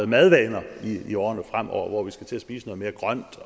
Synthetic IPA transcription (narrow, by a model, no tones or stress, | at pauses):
ð̩ˠmæð̞ˠʋɛːnɐiiɒːɐnəfʁam̰ɒ̰ɐʋɒʋisɡ̥æt͡sʰe̝æsb̥ḭːsənɔ̽ːme̝ɐɡ̥ʁɶn̰d̥